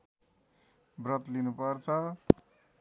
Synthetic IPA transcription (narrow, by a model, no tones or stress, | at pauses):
brʌt̪linupʌrt͡sʰʌ